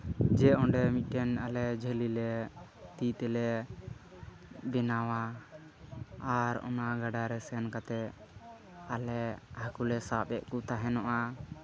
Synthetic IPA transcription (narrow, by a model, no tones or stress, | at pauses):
d͡ʒɛɔɖɛmit̪̚ˀʈɛnalɛd͡ʒʱɛlilɛt̪it̪ɛlɛ | bɛnawa | ɾɔ̰naɡaɖaɾɛsɛnkat̪ɛ | alɛhakulɛsapɛʔkut̪aɦɛnɔʔa